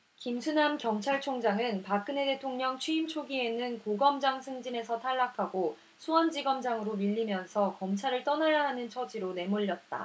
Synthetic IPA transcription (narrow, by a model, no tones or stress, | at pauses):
kimsʰunamkjʌmt͡ɕʰaɭt͡ɕʰoŋd͡ʑaŋɯnpak͈ɯne̞de̞tʰoŋɲʌŋt͡ɕʰɥiimt͡ɕʰoɡie̞nɯnkoɡʌmd͡ʑaŋsʰɯŋd͡ʑine̞sʰʌtʰaɭːakʰaɡo | sʰuʌnd͡ʑiɡʌmd͡ʑaŋɯɾomiʎːimjʌnsʰʌkʌmt͡ɕʰaɾɯɭt͈ʌnajaɦanɯnt͡ɕʰʌd͡ʑiɾone̞moʎːʌt̚t͈a̰